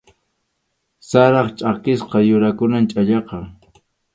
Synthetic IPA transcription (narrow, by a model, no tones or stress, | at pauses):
saɾɑχt͡ʃʼɑkɪsqɑjʊɾakʊnant͡ʃʼaʎɑqɑ